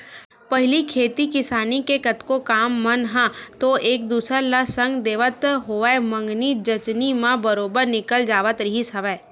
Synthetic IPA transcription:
pɐɦɪlikʰeːt̪ikɪsaːnikekət̪kokaːmːənɦãt̪oeːk̚d̪uːsəɾlasə̃ŋɡd̪eːʋət̪ɦoːʋɛemə̃ŋɡnid͡ʒət͡ʃnimãbəɾoːbəɾnɪkəld͡ʒaːʋət̪ɾəɦisɐʋɛː

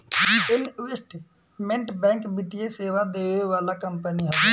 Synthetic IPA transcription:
d͡ʒienʋesʈ | mẽɳʈbɛ̃ŋkbit̪ijeseʋad̪eʋeʋaːlakəmpəniɦəd̪

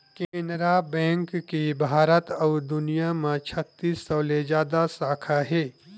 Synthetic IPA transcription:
keẽnɾabɛ̃ːŋkːibʱaːɾət̪ɔːd̪ʊnijamãt͡ʃʰət̪ːiːsːɐːled͡ʒaːd̪asaːkʰaɦeː

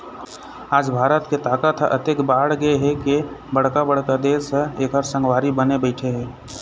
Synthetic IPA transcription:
aːd͡ʒbʱaːɾət̪ket̪aːkət̪ʰʔə̰t̪ekbaːɽɡəeɦɛkebəɽ̤kabəɽkad̪eːsə̃eːkɦəɾsə̃ŋɡʋaːɾibənebəɪʈʰeɦɛː

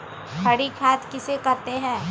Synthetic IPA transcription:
hʰɐɽikʰaːt̪kɪsekɐɾt̪eɦɛ̃ː

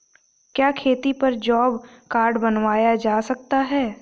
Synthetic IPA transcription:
kjaːkʰeːt̪ipɐɾd͡ʒɔːbkaːɾɖbɐnʋaːjad͡ʒaːsɐk̚t̪aɦɛː

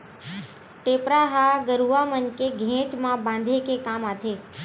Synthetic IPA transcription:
ʈeːpɾaɦaːɡəɾuamənkeɡʱẽːt͡ʃmãbãːn̆d̪ʱekekaːmaːt̪ʰeː

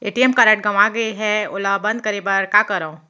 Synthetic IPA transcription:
eːʈiɛmkaːɾẽʈ̚ɡɐmaɡɐiɦɛ̃ʊlabɐ̃nd̪̚kɐɾebəɾkakɐɾaõ

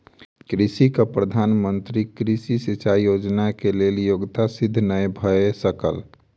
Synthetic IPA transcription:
kɾisikapɾəd̪ʱanmənt̪ɾikɾisisit͡ʃaijod͡ʒnakeleljoɡt̪asid̪ʱːnəjbʱəesəkəl

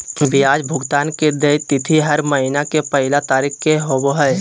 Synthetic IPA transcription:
bɪjaːd͡ʒbʱʊɡt̪aːnked̪eːt̪ɪt̪ʰiɦɐɾməɦɪnakepəɦɪlat̪aːɾiːkkeɦoboɦɛ

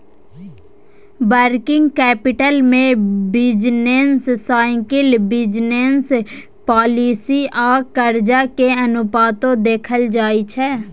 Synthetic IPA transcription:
bəɾkɪ̃ŋɡkɛːpɪʈəlmẽbɪd͡ʒnenssaːɪ̃ŋkɪlbɪd͡ʒnens | pɔːliːsiʔɔːɾkəɾd͡ʒakeɐnʊpaːt̪õd̪eːkʰəld͡ʒaːit͡ʃʰɛː

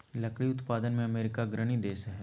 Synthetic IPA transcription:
lɐkɽiʊt̪paːd̪ənmẽɐmeːɾɪkaɡɾəɽ̃id̪eːsɦɛː

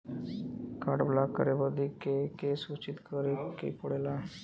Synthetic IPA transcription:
kaʈblakːə̰ɾebəd̪ikekesut͡ɕit̪kəɾekḛkoɽela

